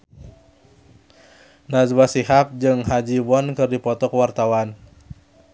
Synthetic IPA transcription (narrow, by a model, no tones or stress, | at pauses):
nazwasiɦap̚d͡ʒɨŋɦad͡ʒiwɔnkɨrdipɔt̪ɔkəwart̪awan